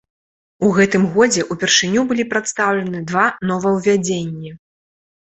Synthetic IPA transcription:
uɣɛt̪ɨmɣɔd͡zʲɛʔupʲɛrʂɨnʲubɨlʲipɾat̪st̪awlʲɐnɨd̪vanɔvɐwvʲad͡zʲenʲːɛ

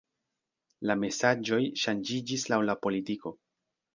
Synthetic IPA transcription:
lame̞sad͡ʒo̞jʃand͡ʒid͡ʒislawlapo̞litiko̞

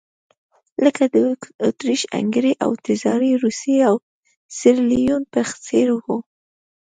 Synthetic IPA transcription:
ləkad̪əot̪ɾiʃa̰ŋɡɾeʔa̰wt̪ɪzɑɾiɾuseaw | sɪɾlijunpəxt͡seɾhu

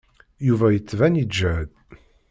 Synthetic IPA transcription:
juvæjət͡sːvænid͡ʒːæd̪

